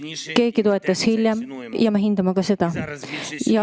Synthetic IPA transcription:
ke̞ːɡ̥it̪o̞e̞t̪ːˑɑshilʲjɑm | jɑmɑɦind̪̥ɑmɑkɑse̞d̪̥ɑ | jɑ

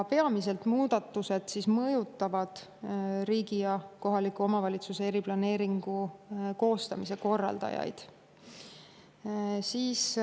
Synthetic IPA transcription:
pe̞ɑmise̞lt̪muːd̪ɑt̪ːuse̞d̪̥sismɤjut̪ːˑɑvɑd̪̥ | ɾiːɡijɑko̞ɦɑlikːˑuomɑvɑlʲit̪suseeɾiplɑne̞ːɾiŋɡ̥uko̞ːst̪ɑmise̞ko̞rːɑ̰ld̪ɑ̰jɑ̰jd̪̥ | siːs

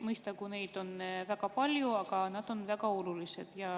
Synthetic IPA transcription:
mɤjst̪ɑkune̞jd̪̥o̞nvæɡ̥ɑpɑlʲjuɑɡ̥ɑnɑd̪̥o̞nvæɡ̥ɑolulise̞d̪̥jɑ

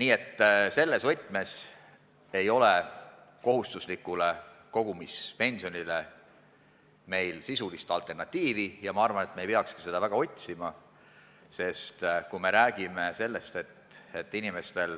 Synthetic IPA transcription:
niːe̞t̪ːse̞lːe̞svɤt̪ʲːˑme̞s | e̞jo̞le | ko̞ɦust̪uslikːˑuleko̞ɡ̥umispe̞nʲsio̞nʲile̞ | me̞jlsisulist̪ɑlt̪ˑe̞rnɑt̪ʲːiːvijɑmɑɑrvɑnet̪mejpeɑkskise̞d̪̥ɑvæɡ̥ɑo̞t̪ʲsimɑ | se̞st̪kume̞ɾæːɡ̥ime̞se̞lːest̪et̪e̞t̪ːˑinime̞st̪e̞l

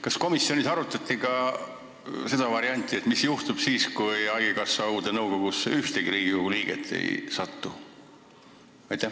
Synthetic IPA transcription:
kɑsko̞misjonʲisɑɾut̪ːˑɑt̪ʲːˑikɑ | se̞d̪̥ɑvɑɾiɑnʲt̪ːˑie̞t̪misjuht̪ub̥siːskujɑɡikɑsːɑuːd̪enɤwko̞ɡ̥usːeyht̪eɡiɾiːɡ̥iuɡuliːɡ̥ḛt̪ʰːˑḛjsɑt̪ːu | ɑjt̪ˑːæh

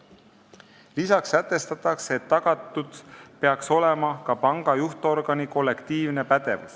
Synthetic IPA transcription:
lisɑksæt̪ːˑe̞st̪ɑt̪ːˑɑkset̪ːɑɡ̥ɑt̪ːˑud̪̥pe̞ɑkso̞lɛmɑkɑpɑŋɡ̥ɑjuht̪o̞rɡ̥ɑniko̞lːe̞kt̪iːvne̞pæd̪̥evṵs

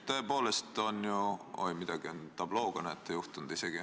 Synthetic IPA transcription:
t̪øːpo̞ːle̞st̪o̞njuo̰limid̪̥ɑɡ̥iont̪ɑb̥lo̞ːɡ̥ɑnɑet̪ːejuht̪und̪̥ise̞ɡ̥i

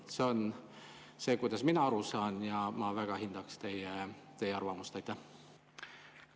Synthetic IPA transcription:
se̞o̞n | se̞ːkujd̪ɑsminɑɑɾusɑːnjɑmɑvæɡ̥ɑɦind̪̥ɑkst̪e̞jet̪e̞jːeɑrvɑmust̪ɑjt̪ːæh

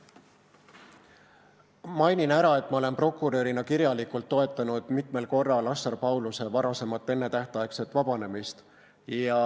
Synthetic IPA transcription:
mɑjninæɾɑe̞t̪ːˑmɑole̞npro̞kːˑuɾø̞ɾinɑkiɾjɑlikult̪ːo̞e̞t̪ːˑɑnud̪̥mit̪me̞lko̞rːɑlɑsːɑrpɑwluse̞vɑɾɑse̞mɑt̪ːˑe̞nːe̞t̪æht̪ˑɑjekse̞t̪vɑb̥ɑne̞mist̪ | jɑ

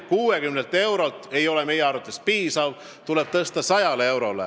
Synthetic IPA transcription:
kuːekymnelt̪ːˑe̞wɾolt̪ˑe̞jo̞leme̞jeɑɾut̪ˑːespiːsɑv | t̪ule̞b̥̚t̪ɤst̪ɑsɑjɑlee̞wɾo̞lḛ

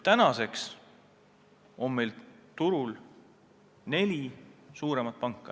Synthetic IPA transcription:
t̪ænɑse̞ks | o̞mme̞jlt̪uɾul | ne̞lʲisuːɾe̞mɑt̪̚pɑŋkːˑɑ

